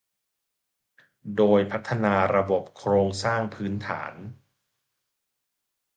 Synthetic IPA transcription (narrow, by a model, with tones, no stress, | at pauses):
doː˧jpʰa˦˥t̪ʰːa˧naː˧ɾa˧bo˨˩p̚kʰɾoː˧ŋsaː˥˩ŋpʰɯː˦˥nt̪ʰa̰ː˩˦n